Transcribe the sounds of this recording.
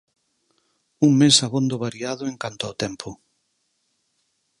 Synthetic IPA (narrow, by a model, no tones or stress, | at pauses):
uŋmesaβond̪ʊβaɾiaðʊeŋkant̪ʊaʊt̪ɛmpʰʊ